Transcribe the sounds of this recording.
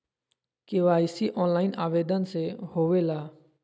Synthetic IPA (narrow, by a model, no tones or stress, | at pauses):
keʋaːɪsiʔɔːnlaːɪnaːʋeːd̪ənsehoːʋeːlaː